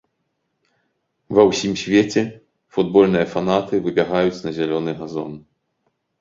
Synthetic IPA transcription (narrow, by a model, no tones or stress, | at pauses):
vɐwsʲimsʲvʲet͡sʲɛ | fud̪̚bɔlʲnɨjɐfanat̪ɨvɨbʲaɣajut͡sʲnɐzʲalʲɔnɨɣazɔ̰n